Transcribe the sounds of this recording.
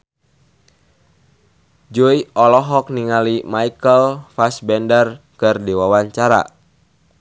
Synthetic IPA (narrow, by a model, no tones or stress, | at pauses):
d͡ʒɔiɔlɔɦɔk̚niŋalimaikəlfasbɛndər | kɨrdiwawaɲt͡ʃaɾa̰